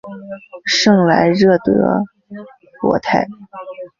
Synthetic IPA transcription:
ʂɤ˥˩ŋla˧˥ɪɻɤ˥˩t̪ɤ˧˥ | kwɔ̰˧˥t̪ʰa˥˩ɪ

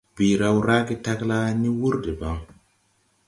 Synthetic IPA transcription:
bi˨ɾa˨wɾa˦ɡi˦ta˦kla˦ni˦wu˦ɾde˨ba˨˦ŋ

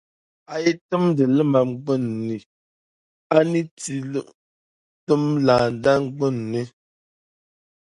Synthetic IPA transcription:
a˨je˦tə˦mdə˨lə˦ma˨m˦ɡ͡bə˦˨nːi˨ | a˦ni˦t͡si˨˦˨ | tə˦mlaː˨n˨da˦ŋ˦ɡ͡bə˦˨nːi˦

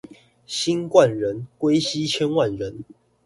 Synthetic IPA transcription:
ɕi˦nkwa˥˨nɻə˨˦nkwe˦ɪɕi˦t͡ɕʰjɛ˦nwa˥˨nɻə˨˦n

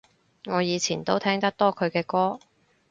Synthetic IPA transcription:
ŋɔː˨˧jiː˨˧t͡sʰiː˨˩nt̪o˥wt̪ʰɛː˥ŋt̪ɐ˥k̚t̪ɔː˥kʰɵ˨˧ɥkɛː˧kɔː˥

